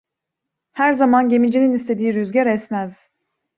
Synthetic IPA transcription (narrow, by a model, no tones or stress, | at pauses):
hæɾzamanɟe̞mid͡ʒininist̪ʰed̪iːɾyzɟæɾɛsmæz̥